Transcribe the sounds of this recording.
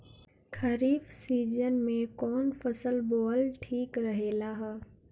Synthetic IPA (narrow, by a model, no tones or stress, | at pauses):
kʰɐɾiːfsiːd͡ʒənmẽkɔːnfɐsəlbɔːlʈʰiːkɾɐɦeːlaɦɛː